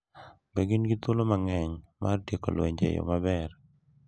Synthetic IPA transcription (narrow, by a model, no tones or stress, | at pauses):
bɛɡɪnɡɪt̪ʊlomaŋɛɲmardjekolwḛɲd͡ʒḛjo̰mabɛr